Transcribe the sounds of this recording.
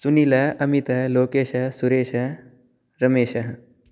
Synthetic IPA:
sunilɐɐmit̪ɐloːkeːʃɐsuɾeːʃɐ | ɾɐmeːʃɐɦɐ

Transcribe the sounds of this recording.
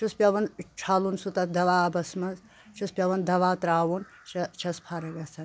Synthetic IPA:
t͡ʃʰuspʲɐʋɐnt͡ʃʰaːlunsut̪ɐtd̪ɐʋaːbɐsmɐnz | t͡ʃʰuspʲɐʋɐnd̪ɐʋaːt̪ɾaːʋun | t͡ʃɐt͡ʃʰɐspʰaːɾɐɡɐsɐn

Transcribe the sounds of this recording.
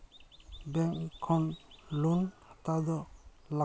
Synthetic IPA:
bɛŋkʰɔnlunhat̪ad̪ɔla

